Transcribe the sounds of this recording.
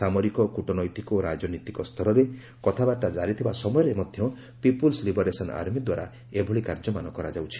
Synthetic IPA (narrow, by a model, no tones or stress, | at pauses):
samɔɾikɔkuʈɔnɔjt̪ikoɾad͡ʒɔnit̪ikɔst̪ʰɔɾɔɾe | kɔt̪ʰabaʈad͡ʒaɾit̪ʰibasɔmɔjɔɾemɔd̪ʱjɔ | pipulslibɔɾesɔna̰ɾmid̪waɾa | ebʱɔɭikaɾd͡ʒɔmanɔkɔɾad͡ʒawt͡ʃʰi̥